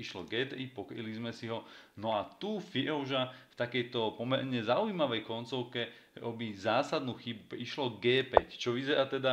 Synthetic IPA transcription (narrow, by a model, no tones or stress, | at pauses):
iʃlɔɡɛːt̪ɾipɔkɾḭlizmɛsiɦɔnɔat̪ufiɔʒaft̪akɛjt̪ɔpɔmɛɾɲɛzaujimaʋɛjkɔnt͡sɔʊkɛ | ɔbizaːsad̪nuxibuiʃlɔɡɛːpɛct͡ʃɔʋizɛɾaːt̪ɛd̪a